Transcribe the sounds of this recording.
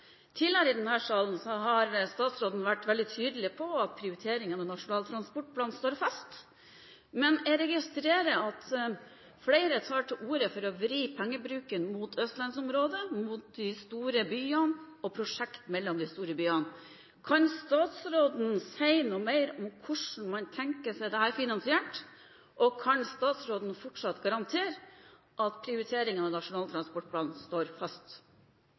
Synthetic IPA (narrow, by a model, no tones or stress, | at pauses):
t̪ʰɪləɾɪd̪ɛnhæːʂɑːln̩sɔɦɑɾst̪ɑːt̪sɾoːd̪n̩ʋæʈːʋɛld̪ɪt̪ʰyːd̪əlɪpʰɔɑt̪̚pʰɾɪʊɾɪt̪ʰeːɾɪŋənɔnɑʂʊnɑːlt̪ʰɾɑnspɔʈ̚pʰlɑːnst̪oːɾfɑst̪ | mɛnɛɾɛɡɪst̪ɾeːɾəɑt̪ | fleɪɾət̪ʰɑːʈɪluːɾəfɔɾɔʋɾiːpʰɛŋːəbɾʉːkənmʊt̪ʰœst̪lɑnsɔmɾoːd̪əmʊt̪̚d̪ɪst̪uːɾəbyːən | ɔpʰɾʊʂɛkt̪mɛlːɔmd̪ɪst̪uːɾəbyːən | kʰɑnst̪ɑːt̪sɾoːd̪n̩sæɪnuːmæɪɾɔmkʰʊʂɳ̩mɑnt̪ʰɛŋkəsɛɪd̪ɛhæːɾfɪnɑnsɪɛʈ | ʔɔkʰɑnst̪ɑːt̪sɾoːd̪n̩fɔʈʂɑt̪ɡɑɾɑnt̪ʰeːɾ | ʔɑt̪pʰɾɪʊɾɪt̪ʰeːɾɪŋənɑʋnɑʂʊnɑːlt̪ʰɾɑnspɔʈ̚pʰlɑːnst̪oːɾfɑst̪